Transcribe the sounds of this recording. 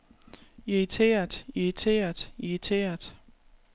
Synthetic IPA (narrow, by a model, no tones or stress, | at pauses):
iʁit͡sʰe̝̰ːɐd̥iʁit͡sʰe̝̰ːɐd̥iit͡sʰe̝̰ːɐd̥